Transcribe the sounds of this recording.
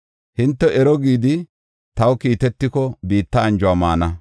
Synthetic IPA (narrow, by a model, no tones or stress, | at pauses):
hɪnt̪ːɛʔɛɾɔɡiːd̪ɪ | t̪ɐwkiːt̪ɛt̪ːɪkɔbiːt̪ːɐːnd͡ʒʊwamaːnɐ